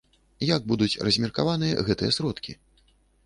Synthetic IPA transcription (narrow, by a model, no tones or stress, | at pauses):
jaɡ̚bud̪ut͡sʲrɐzʲmʲirkavanɨjɐ̰ɣɛt̪ɨjɛsɾɔt̪kʲi